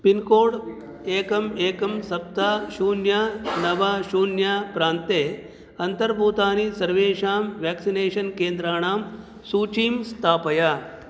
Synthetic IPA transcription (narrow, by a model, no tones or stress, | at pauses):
pinkoːɽ | eːkɐmeːkɐmsɐp̚t̪aːʃuːnjaːnɐʋaːʃuːnjaːpɾaːnt̪eː | ɐnt̪ɐɾbʱuːt̪aːnisɐɾʋeːʃaːmʋɛːksineːʃɐnkeːnd̪ɾaːɳaːm | suːt͡ʃiːmst̪ʰaːpɐjaː